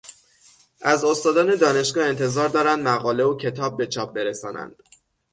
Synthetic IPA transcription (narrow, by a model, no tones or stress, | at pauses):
ʔæzo̞st̪ɒːd̪ɒːned̪ɒːne̞ʃɡɒːe̞nt̪ʰe̞zɒːɾd̪ɒːɾænd̪mæɣɒːle̞ocʰe̞t̪ʰɒːb̚ːe̞t͡ʃʰɒːb̚be̞ɾesɒːnæ̰nd̪̥